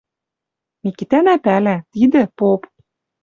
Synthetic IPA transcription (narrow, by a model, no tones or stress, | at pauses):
mikit̪ænæpælæt̪id̪ɘ̆pop